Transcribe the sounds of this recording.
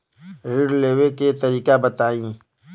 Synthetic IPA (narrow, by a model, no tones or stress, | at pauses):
ɾɪɖleːweket̪əɾiːkabət̪aːĩː